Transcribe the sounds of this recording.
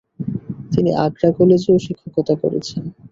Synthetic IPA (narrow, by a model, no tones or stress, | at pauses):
t̪iniʔaɡɾakɔled͡ʑeoʃikʰːokot̪ako̰ɾḛt͡ɕʰen